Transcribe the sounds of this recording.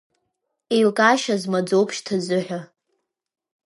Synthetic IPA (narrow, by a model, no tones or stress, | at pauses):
ejlkʼaʃazmad͡zowpʰʃtʰad͡zɨħʷᶣa